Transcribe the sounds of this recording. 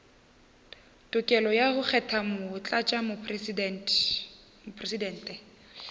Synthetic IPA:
tʼʊkʼɛlɔjaɣʊk͡xʰɛtʰamʊt͡ɬʼat͡ʃʼamʊn | mʊpʰresidɛn̩ːtʼɛ

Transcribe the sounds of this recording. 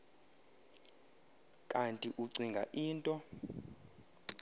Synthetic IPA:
kʼantʼiʔuǀiŋɡʱa̰ʔiːntʼɔ

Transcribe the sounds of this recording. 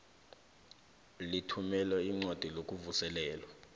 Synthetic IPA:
litʰumɛlɛiŋ͡ǀad̥ʱilokʼuvusɛlɛːlwa

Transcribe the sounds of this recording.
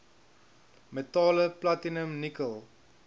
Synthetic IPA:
metɑːləplatinəmnikəlˠ

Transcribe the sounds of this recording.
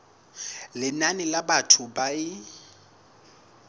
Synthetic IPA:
lɪnanɪlabatʰʊbaɪ

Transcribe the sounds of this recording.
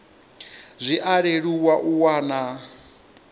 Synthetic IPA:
zʷiʔaɺeɺuwaʔuwaːna

